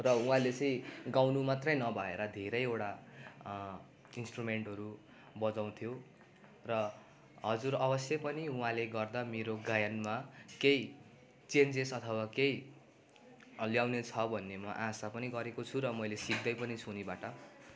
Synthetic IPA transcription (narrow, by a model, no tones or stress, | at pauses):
rʌũɦãlet͡sʌĩɡawnumat̪rʌjnʌbʱʌeɾʌd̪ʱeɾʌjewɽa | insʈrumeɳʈɦʌɾu | bʌd͡zaw̃t̪ʰjo | rʌ | ɦʌd͡zuɾʌbʌsjʌpʌniũɦãleɡʌrd̪ameɾoɡajʌnmakej | t͡send͡zesʌt̪ʰʌwakej | ljawnet͡sʰʌbʱʌnːemʌ̰ʔãsapʌniɡʌɾekot͡sʰuɾʌmʌjlesik̚d̪ʌjpʌnit͡sʰunibaʈʌ